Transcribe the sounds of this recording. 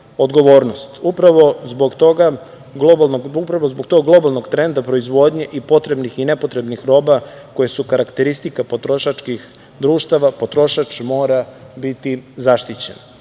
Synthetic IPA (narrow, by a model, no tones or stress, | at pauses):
od̪ɡo̞ʋo̞ːɾnost̪upɾaʋo̞zboɡt̪o̞ɡa | ɡlˠobalnoɡupɾaʋo̞zboɡt̪o̞ɡɡlˠo̞balˠno̞ɡt̪ɾe̞nd̪apɾoizʋo̞d̪ɲeʔipo̞t̪ɾe̞bnixine̞pot̪ɾe̞bnixɾo̞ːba | ko̞jesukaɾakt̪e̞ɾist̪ikapo̞t̪ɾo̞ʃat͡ʃkix | d̪ɾuːʃt̪aʋapo̞t̪ɾo̞ʃat͡ʃmo̞ːɾabit̪izaʃt̪it͡ɕen